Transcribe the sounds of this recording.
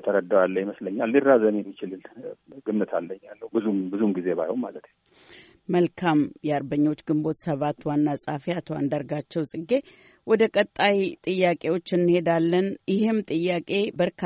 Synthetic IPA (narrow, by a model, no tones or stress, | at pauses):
t̪ʰəɾəd̪əwalːəjiməsləɲːalːirːazəmjɛmːit͡ʃɪlɨlɡɨmːɨt̪ʰalːəɲːalːəhbɨzumbɨzumɡize̞βa̰jhommalət̪ɲ | məlkʰamjɛaɾbəɲːo̞t͡ʃːɡɨmbo̞t̪səβat̪ːwanːasʼafiat̪ʰoa̰nd̪aɾɡat͡ʃːɛwsʼɨɡe̞ | wɔd̪əkʼət̪ʼːajt̪ʼɨjːakʼe̞wo̞t͡ʃːɨnːɨhe̞d̪alːənjɪhɨmt̪ʼɨjːakʼe̞bəɾkʰ